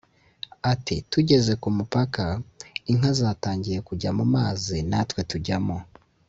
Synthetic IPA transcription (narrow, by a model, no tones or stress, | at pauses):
atituɟe̞ze̞kumupakaiŋ̥azaːtaːɲɟije̞kuɟamumaːzinatwe̞tuɟamo